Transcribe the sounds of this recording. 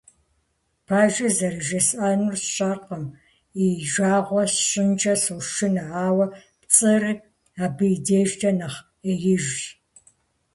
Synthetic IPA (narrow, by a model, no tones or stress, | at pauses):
pʰaːʒɐzɐɾɨʒɐsʔaːnʊrsɕʼaːrqɐm | iʒaːʁʷɔsɕʼɪnt͡ʃʼɐsɐwʃɪnɨʕaːwɐpt͡sʼɨrɨ | aːbɨjdeːʒtʰɐnɐχ | eːjɪʒ